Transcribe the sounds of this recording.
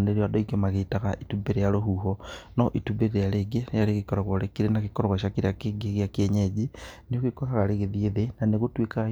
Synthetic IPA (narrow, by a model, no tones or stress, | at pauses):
neɾiadoiɡemaɣetaɣa̰ʔitubeɾejaɾoɦuɦɔnɔʔitubeɾeɾeaɾeɡejaɾeɣikɔɾɔɣwoɾekiɾenaɣekɔɾɔɣaʃakiɾeakeɡeɣeakieɲed͡ʒinioɣikokaɣaɾeɣeðieðenaneɣotweka